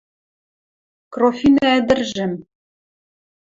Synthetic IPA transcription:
krofʲinææd̪ɘ̆rʒɘ̆m

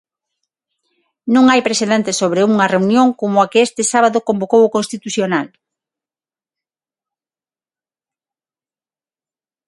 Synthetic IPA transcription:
nõŋajpɾeseðent̪esoβɾeuŋɐreunjoŋkomʊakɪest̪ɪsaβaðokombokowokonst̪it̪uθjonal

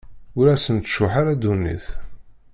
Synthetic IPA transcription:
ʊɾæsənt̪ʃʊħaɾæd̪unḭθ

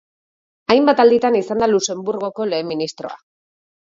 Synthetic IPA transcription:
ajmbat̪ald̪it̪anisand̪aluse̞mbuɾɣo̞ko̞le̞ːmːinist̪ɾo̞̰a̰

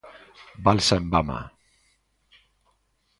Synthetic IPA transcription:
balsaembama̰

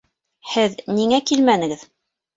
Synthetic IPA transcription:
hɘðniŋækilmænɘ̆ɡɘð

